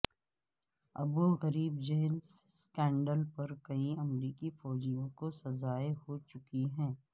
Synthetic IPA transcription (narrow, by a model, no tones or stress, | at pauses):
ɐ̰buɣɐɾiːbd͡ʒeːlsskɛ̃ːɳɖəlpɐɾkɐiɐmɾiːkifɔːd͡ʒijõkosɐzaːeɦot͡ʃʊkiɦɛ̃ː